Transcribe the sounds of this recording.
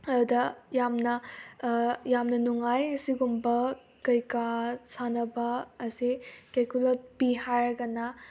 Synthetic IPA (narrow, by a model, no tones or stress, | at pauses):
ɐɾudɐjamnɐ | jamnɐnuŋajɐsiɡumbɐ | kɐjkasanɐbɐːsikejkulɔt̚biɦaɾɡɐnɐ